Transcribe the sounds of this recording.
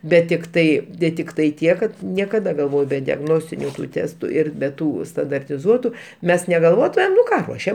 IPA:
ˈbʲɛt tʲɪkˈtɐɪ dʲɛ tʲɪkˈtɐɪ ˈtʲiɛk kɐt nʲiɛkɐˈdɐ ɡɐlˠˈʋoːj bʲɛ dʲɛɡˈnoːsʲtʲɪnʲʊ ˈtʲæːstʊ ˈɪr bʲɛ ˈtuː stɐndɐrʲtʲɪˈzuɔtʊ ˈmʲɛs nʲɛʋʲɛˈlˠuɔtʊmʲeːm nʊ ˈkɑː ˈruɔʃʲɛm

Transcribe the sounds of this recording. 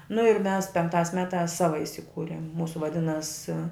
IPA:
nʊ ɪr mʲɛs pʲɛŋkˈtɑːs ˈmʲæːtɑːs ˈsɑːʋɐ ɪsʲɪˈkuːrʲɪm ˈmuːsʊ ʋɐˈdʲɪnɐs

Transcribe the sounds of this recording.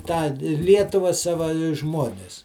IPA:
tɑː ˈlʲiɛtʊʋɐ ˈsɑːʋɐ ɪ ˈʒmuɔnʲɪs

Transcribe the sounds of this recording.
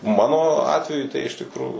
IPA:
ˈmɑːnoː ˈɑːtʲʋʲɛjʊ tɐɪ ɪʃ tʲɪkˈruːjuː

